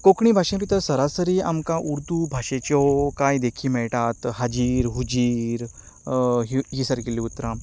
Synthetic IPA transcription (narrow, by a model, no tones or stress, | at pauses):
kokɳ̃ibʱaʂẽpit̪əɾsəɾasəɾia̰mkaʔuɾd̪ubʱaʂet͡ɕokaid̪ekʰiːmɛɭʈat̪ɦad͡ʑiːɾɦud͡ʑiːɾ | ɦiɦisəɾkilːiut̪ɾã